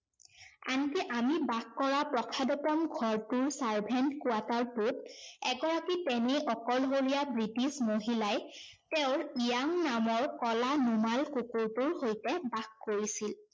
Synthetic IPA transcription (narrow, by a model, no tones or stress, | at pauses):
a̰nkiʔamibakkɔɹapɹɔkʰadɔtɔmɡʱɔɹtuɹsaɹbʱɛntkuataɹputɛɡɔɹakitɛnɛʔɔkɔlɦolijabɹitismoɦilaj | tɛʊ̃ɹijaŋnamɔɹkɔlanumalkukuɹtuɹhojtɛbakkoɹisil